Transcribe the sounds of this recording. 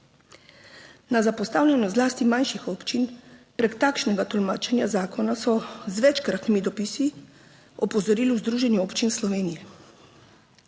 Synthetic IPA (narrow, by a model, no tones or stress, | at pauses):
nazapɔst̪aːwlʲjɛnɔzlaːst̪imanʃixɔːpt͡ʃinpɾɛkt̪aːkʃnɛɡat̪ɔlmaːt͡ʃɛnjazaːkɔnasɔzʋɛt͡ʃkɾat̪nimid̪ɔpisi | ɔpɔzɔɾiːliwzd̪ɾuːʒɛnjuɔːpt͡ʃinslɔʋeːnijɛ